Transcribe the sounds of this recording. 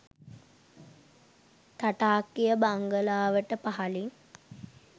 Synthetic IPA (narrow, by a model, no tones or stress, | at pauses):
t̪aʈaːkːijəbaŋɡəlaːʋəʈəpaɦaliŋ